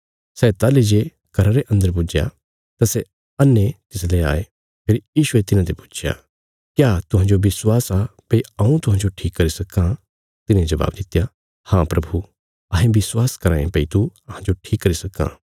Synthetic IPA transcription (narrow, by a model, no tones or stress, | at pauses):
sɛːt̪alid͡ʒe | kɐɾaɾeʔɐ̃nd̪əɾp̬ud͡ʒja̰ | t̪asɛ | ɐnːet̪ɪslea̰ːe | pʰeːɾjiːʃʊet̪ɪnãt̪epu̥ːt͡ʃʰja̰ | kjaːt̪ʊɦãd͡ʒobɪswaːsapɐiɐũt̪ʊɦãːɲd͡ʒoʈʰiːkːɐɾisɐkːã | t̪ɪnẽd͡ʒɐba̰ːbd̪ɪt̪ːja | hãpɾɐbʱu | ɐɦẽbɪswaːskɐɾãːẽpɐit̪uɐɦãd͡ʒoʈʰiːkːɐɾisɐkːã̰